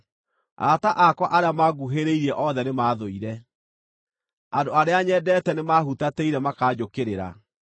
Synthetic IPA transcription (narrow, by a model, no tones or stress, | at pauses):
a̰taʔakwaʔaɾeamaɡuɦeɾeiɾɛʔɔðɛnemaːðoiɾɛ | adoaɾeaɲɛːdɛːtɛnemahutateiɾɛmakaːd͡ʑokeɾeɾa̰